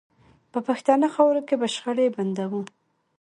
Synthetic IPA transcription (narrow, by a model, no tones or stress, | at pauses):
pəpaxt̪ɑnəxɑwɾokebaʃxəɽeband̪awu